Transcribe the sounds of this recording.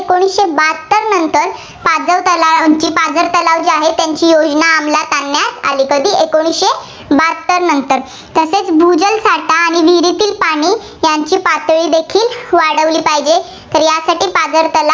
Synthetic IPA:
ekoɽ̃iɕebat̪ːəɾnənt̪əɾ | pad͡zəʋt̪əlat͡ɕiːpad͡zəɾt̪əlaʋd͡ʑiaɦet̪jaɲt͡ɕiːjod͡znaːmlat̪anːjat̪a̰liːkəd̪ʱiːʔekoɽ̃isɕe | bat̪ːəɾnənt̪əɾ | t̪əset͡sbʱud͡zəlsaɽʈ̪aːɽ̃iʋiɾit̪iːlpaɽ̃iː | jaɲt͡ɕiːpat̪ɭiːd̪ekʰiːlʋaɽəʋliːpajd͡ʑe | t̪əɾjasaʈiːpad͡zəɾt̪əla

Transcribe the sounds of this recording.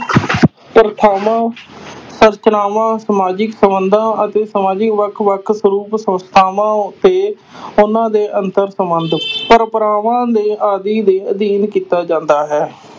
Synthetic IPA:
pɾət̪ʰaːʋãːsəɾt͡ʃnaːʋãːsəmaːd͡ʒɪksəmənd̪ãːʔət̪eːsəmaːd͡ʒɪkʋəkʰʋəkʰsəɾuːpsənst̪ʰaːʋãːʊt̪eː | ʊnãːd̪eːʔənt̪əɾsəmbənd̪pəɾpəɾaːʋãːd̪eːʔaːd̪iːd̪eːəd̪iːnkiːt̪aːd͡ʒãːnd̪aːɦɛː

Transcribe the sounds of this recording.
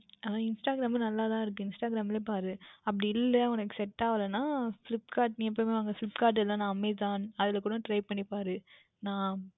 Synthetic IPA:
anãːɪnsʈaːɡɪɾaːmnɐlːaːt̪ãːɪɾɯk̬ːɯ̃ɪnsʈaːɡɪɾaːmɪlepaːɾɯɐp̬ːɐɽiɪlːɛʋɐnɐkːɯsɛʈːaːʋɐlɐnãːflɪpːkaːɾʈ̚nĩːɛp̬ːoːjmeːʋaːŋɡɐflɪpkaːɾʈ̬ɛlːãːnãːɐmːet̪aːnɐðɪlɐkuːɽɐ̃ʈɾɐɪpɐɳːipaːɾɯ | nãː

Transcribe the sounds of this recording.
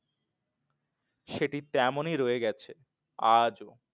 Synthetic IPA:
ʃeʈit̪ɛmoniɾoeɡɛt͡ɕʰe | ad͡ʑo

